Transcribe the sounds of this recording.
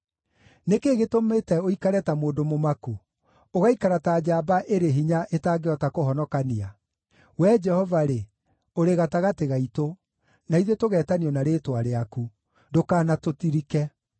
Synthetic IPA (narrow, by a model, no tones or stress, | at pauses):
nekeɣetometɛoikaɾɛtamoːdomomaku | oɣaikaɾataːd͡ʑaːbaʔeɾeɦiɲaʔetaːɡeɔtakoɦɔnɔkanea | wɛd͡ʒɛhɔvaɾe | oɾeɣataɣateɣaito | naiðetoɣɛːtaneɔnaɾeːtwaɾeaku | dokaːnatotiɾikɛ